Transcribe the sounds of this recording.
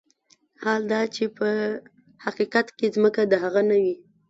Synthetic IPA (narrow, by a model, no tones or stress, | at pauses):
hɑld̪ɑt͡ʃepə | haqiqat̪kezməkad̪əɦaɣanawi